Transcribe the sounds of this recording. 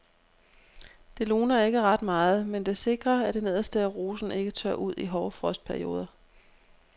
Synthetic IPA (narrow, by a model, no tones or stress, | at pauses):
d̥e̝lo̝ːnɐe̝ɡ̥əʁɑ̈d̥mɑ̈ːð̩ˠmend̥e̝se̝ɡ̥ʁɐæd̥e̝ne̝ð̞̰ˠɐsd̥eʁoːsn̩e̝ɡ̥ət͡sʰɶɐ̰ʔuð̞̰ˠiɦɒʊfʁɒ̽sd̥̚pʰæɐio̝̰ːð̞ˠɐ